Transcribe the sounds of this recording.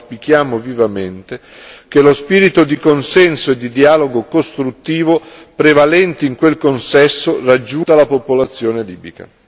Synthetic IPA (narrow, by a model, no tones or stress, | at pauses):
spik̟jaːmovivament̪e | kelospiːɾit̪od̪ikonsɛnsoed̪ːid̪iaːloɡokost̪ɾut̪ːiːvopɾevalɛnt̪eiŋkwelkonsɛsːorad͡ʒːut̪alapopolat̪sːjoːneliːbika̰